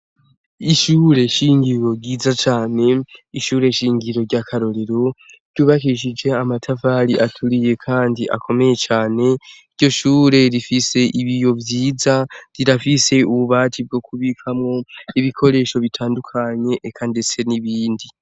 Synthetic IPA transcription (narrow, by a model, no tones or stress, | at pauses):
iʃuːɾe̞ʃiːŋɡiɾo̞ɟiːzat͡ʃaːne̞iʃuːɾe̞ʃiːŋɡiɾo̞ɾɟakʰaɾo̞ɾe̞ɾo̞ | ɾɟuːβakiʃ̬id͡ʒe̞amatʰafaɾiʔatʰuɾije̞kʰaːndiʔa̰kʰo̞me̞je̞t͡ʃaːne̞iɾɟo̞ʃuːɾe̞ɾifise̞ʔiβijo̞vjiːzaɾiɾafise̞uβuβaːtʰib̚ɡo̞kuβikʰamŋo̞iβikʰo̞ɾe̞ːʃo̞βitʰaːndukʰaɲe̞ʔːkʰande̞t͡se̞niβiːndi